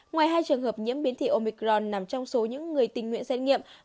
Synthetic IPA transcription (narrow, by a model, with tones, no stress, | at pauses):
ŋwaː˨˩jɦaː˧jt͡ɕɨ˨˩əŋhəː˨˩p̚ɲḭ˧˥əmɓi˨˦ənt̪ʰḭ˧˨ʔo˧mi˧˩kzɔ˧nna˨˩mt͡ɕɔ˧wŋ͡mso˨˦ɲɨ̰˧˥ŋːɨ˨˩əjt̪ï˨˩ŋ̟ŋw̰nsɛ˧t̚ŋḭ˧˨əm